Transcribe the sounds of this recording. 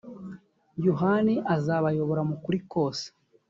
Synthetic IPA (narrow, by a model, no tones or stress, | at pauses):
juɦaniʔazaːβajo̞βo̞ɾamukuɾikoːse̥